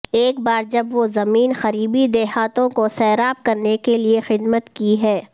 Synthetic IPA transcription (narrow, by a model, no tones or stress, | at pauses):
eːkbaːɾd͡ʒɐbʋozɐmiːnxɐɾiːbid̪ɛːɦaːt̪õkosɛːɾaːp̚kɐɾnekeliexɪd̪mət̪kiɦɛː